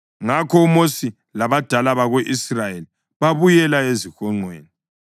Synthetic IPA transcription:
ŋakʰɔumosi | laβad̥ʱalaβaɣweʔisrajeli | βaβujɛlaezixɔŋ͡ǀwḛːni

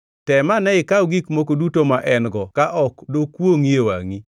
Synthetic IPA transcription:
tɛmanɛɪkawɡikmokodutomaʔɛnɡɔkaʔɔkdokwoŋjewa̰ŋi

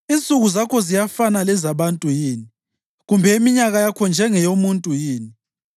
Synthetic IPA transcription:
int͡sʼuɣuzakʰɔzijafanalɛzaβantʼujiːni | ɣumbʱɛimiɲaɣajakʰɔnd͡ʒʱɛŋɛjomuntʼujiːni

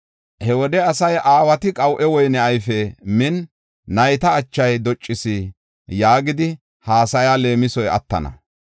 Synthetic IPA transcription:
hɛwɔd̪ɛɐsɐjʔaːwɐt̪ɪkʼɐwʔɛwɔjnɛɐjfɛmɪnː | ɐjt̪ɐːt͡ʃːɐjd̪ɔt͡ʃʼːɪsɪ | jaːɡɪd̪ɪ | haːsɐjale̞ːmɪsɔjɐ̰t̪ːɐ̰nɐ̰

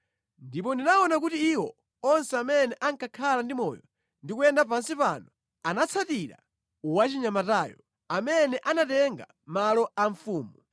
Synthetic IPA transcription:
ndipɔndinaɔnakutiːwɔ | ɔnsɛamɛnɛʔaŋkʰakʰalandimɔjɔ | ndikujɛndap̬ansipanɔ | anat͡sʰatiɾa̰ | wat͡ʃiɲamataːjɔ | amɛnɛʔanatɛŋɡa̰ | malɔaɱfuːmu

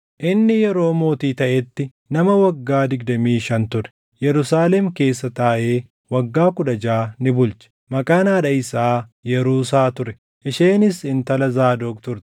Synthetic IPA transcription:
ʔɪnːɪjɛɾo̞ːmo̞ːt̪iːt̪ɐʔɛt̪ːɪ | nɐmɐwɐɡːaːd̪ɪɡd̪ɐmiːʃɐnt̪ʊɾɛ̥ | jɛɾʊsaːlɛmke̞ːsːɐt̪aːʔe̞ː | wɐɡːaːkʊᶑɐd͡ʒaːnɪbʊlt͡ʃɛ̥ | mɐkʼaːnaːᶑɐɪsaːjɛɾuːsaːt̪ʊɾɛ | ʔɪʃeːnɪsɪnt̪ɐlɐzaːd̪oːkt̪ʊɾt̪

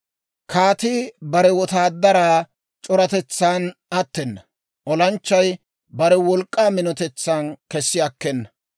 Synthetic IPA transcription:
kʰaːt̪ɪbɐɾɛwɔt̪aːd̪ːɐɾaː | t͡ʃʼɔɾɐt̪ɛt͡sːaːnɐt̪ːɛnːɐ | ʔɔlɐnt͡ʃːɐj | bɐɾɛwɔlkʼːaːmɪnɔt̪ɛt͡sːaːnkɛsːɪɐkːɛnːɐ̥

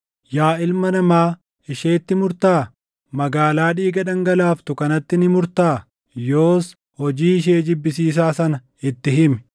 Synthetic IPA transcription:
jaːɪlmɐnɐmaː | ɪʃeːt̪ːɪmʊɾt̪aː | mɐɡaːlaːᶑiːɡɐᶑɐŋɡɐlaːft̪ʊkɐnɐt̪ːɪnɪmʊɾt̪aː | jo̞ːs | hɔd͡ʒiːɪʃ̬eːd͡ʒɪbːɪsiːs̬aːsɐnɐ | ɪt̪ːɪɦɪmɛ̥

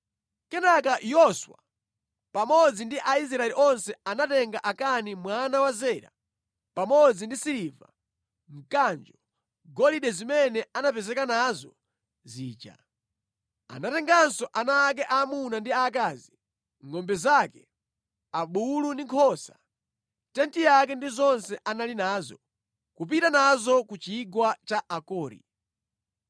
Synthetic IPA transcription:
kɛnakajɔswa | pamɔd͡zindiʔais̬ɾaɛliʔɔnsɛanatɛŋɡaʔakanimwanawazɛːɾa̰ | pamɔd͡zindisiɾiva̰ | m̩kand͡ʒɔ | ɡɔliɗɛzimɛnɛanapɛzɛkanazɔ | ziːt͡ʃa̰ | a̰natɛŋɡansɔʔanaːk̬ɛʔaːmunandiaːkaːzi | ŋɔmbɛzakɛ | aɓulundiŋkʰɔsa | tɛntijak̬ɛndizɔnsɛʔanalinaːzɔ | kup̬itanazɔkut͡ʃiɡwat͡ʃaʔakɔːɾḭ

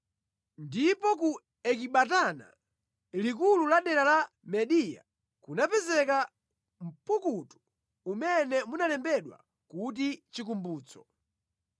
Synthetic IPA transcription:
ndipɔku | ɛk̬iɓatana̰ | lik̬ululaɗɛɾala | mɛɗija̰ | kunapɛzɛka | m̩pukutu̥ | umɛnɛmunalɛmbɛɗwa̰ | kut̬it͡ʃikumbuːt͡sɔ̥

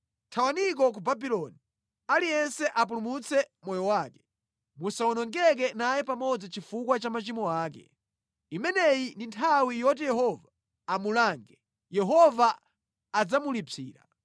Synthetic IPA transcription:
tʰawanik̬ɔk̬ubabilɔni | alijɛnsɛʔap̬ulumut͡sʰɛmwɔjɔwaːkɛ̥ | musaɔnɔŋɡɛk̬ɛnajɛpamɔd͡zit͡ʃifukwat͡ʃamat͡ʃimɔaːk̬ɛ̰ | imɛnɛjindintʰawijɔt̬ijɛɦɔva | amulaŋɡɛ | jɛɦɔvaː | d͡zamulipʰiːɾa̰

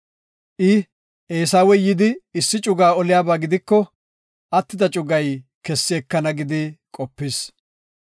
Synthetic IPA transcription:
ʔɪ | ʔeːs̬aːwɛjɪd̪ɪɪsːɪt͡ʃʼʊɡaːɔlɪjaːbaːɡɪd̪ɪkːɔ | ʔɐt̪ːɪd̪ɐt͡ʃʼʊɡɐj | kɛsːɪɛkːɐnɐɡɪd̪ɪkʼɔpːɪs

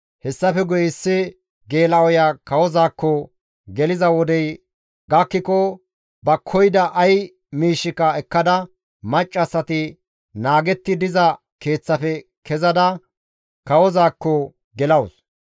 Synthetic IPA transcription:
hɛsːɐfɛɡɔjɪsːɪ | ɡe̞ːlɐɔjaːkɐwɔzaːkːɔ | ɡɛlɪzɐwɔd̪ɛj | ɡɐkːɪkɔ | bɐkʰːɔjd̪ɐʔɐj | miːʃːɪkːɐɛkːɐd̪ɐ | mɐt͡ʃʼːɐsːɐt̪ɪ | naːɡɛt̪ːɪd̪ɪzɐ | ke̞ːt͡sːɐfɛ | kɛzɐd̪ɐ | kɐwɔzaːkːɔ | ɡɛlɐws

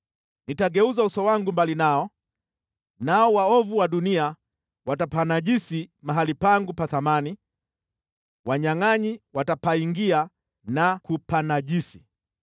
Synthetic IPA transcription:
nitaɡɛuzausɔwaŋɡumbalinaɔ | naɔwaɔvuwaɗunia | watapanaʄisimaɦalipaŋɡupaθamani | waɲaŋaɲiwatapaiŋɡia | nakupanaʄisi

